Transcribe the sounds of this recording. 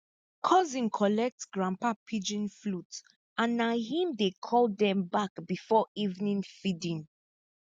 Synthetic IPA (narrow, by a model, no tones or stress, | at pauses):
kʰɔzĩnkʰɔlɛk̚tsɡɹãmpapʰid͡ʒĩnflut | ãnːahĩmdekʰɔlˠdɛ̃mbakbifɔivnĩnfidĩn